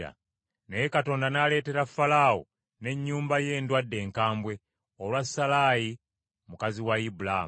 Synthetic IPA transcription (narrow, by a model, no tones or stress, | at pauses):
a̰ | nejekato̞ːndanale̞ːte̞ɾafalaːwo̰ | ne̞ɲːuːmbaje̞ːndwadːe̞ːŋkaːmbwe̞ | olwasalaːji | mukaziwaibula̰